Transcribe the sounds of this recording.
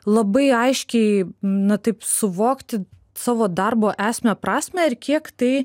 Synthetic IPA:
lˠɐbɐɪɐɪʃʲkʲɛɪnɐt̪ɐɪpsʊʋoːkt̪ʲɪ | sɑːʋoːd̪ɐrboːʔæːsʲmʲɛpɾɑːsʲmʲɛɪɾkʲiɛkt̪ɐɪ

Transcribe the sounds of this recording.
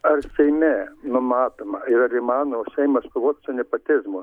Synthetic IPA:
ɐrsʲɛɪmʲɛnʊmɑːt̪oːmɐɪɾɐɾɪmɑːnooːsʲɛɪmɐskoʋoːt̪sʊnʲɛpɐt̪ʲɪzmo

